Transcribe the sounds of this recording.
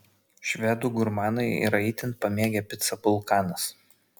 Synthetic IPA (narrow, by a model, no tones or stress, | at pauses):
ʃʲʋʲɛd̪uːɡʊɾmɑːnɐɪḭɾɐɪt̪ʲɪnt̪̚pɐmʲeːɡʲɛpʲɪt̪sɐpʊlˠkɑːnɐs